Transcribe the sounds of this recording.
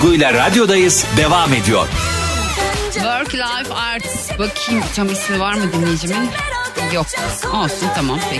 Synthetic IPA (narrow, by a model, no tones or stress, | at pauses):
ɡujlʲˠaɾad̪jo̞d̪ajɯz̥d̪evaːme̞d̪ijo̰ɾ̥ | vøɾklʲˠajfaɾt̪ | bakʰimt͡ʃʰamismivaɾmɯd̪inːʲejid͡ʒimin | jok̚o̞lˠsunt̪ʰamampʰe